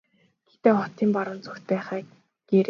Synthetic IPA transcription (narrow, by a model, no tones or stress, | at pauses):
ɡ̥et̪eːχɔt̪iːmpaɾʊ̆ːnt͡sɵxt̪̚pæːχæː | ɡ̥eɾ